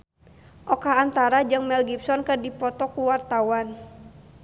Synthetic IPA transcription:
ʔɔkaːnt̪aɾad͡ʒɨŋmɛlɡipsɔnkədipɔt̪ɔkuwart̪awan

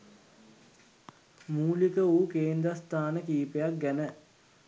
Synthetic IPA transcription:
muːlikəuːkeːnd̪ɾast̪ʰaːnəkiːpejak̚ɡænə

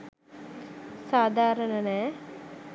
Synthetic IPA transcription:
saːd̪ʱaːɾɐnɐne

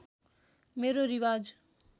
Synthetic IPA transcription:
meɾoɾiwad͡z

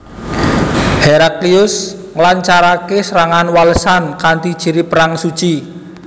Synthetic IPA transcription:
heɾakliʊsŋəlaɲt͡ʃaɾakesəɾaŋanwaləsankant̪id̥ʒ̥i̤ɾipəɾaŋsu̥t͡ʃi

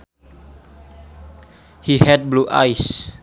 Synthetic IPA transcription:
hihɛd̚bluʔa̰js

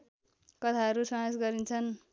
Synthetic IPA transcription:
kʌt̪ʰaɦʌɾusãʌsɡʌɾint͡sʰʌn

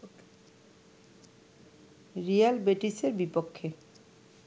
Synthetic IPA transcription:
ɾijalbeʈiseɾbipokʰːe

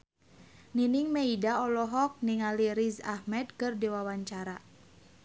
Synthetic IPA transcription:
niniŋmeidaɔlɔɦɔk̚niŋaliɾiza̰hmɛd̪kɨrdiwawaɲt͡ʃaɾa

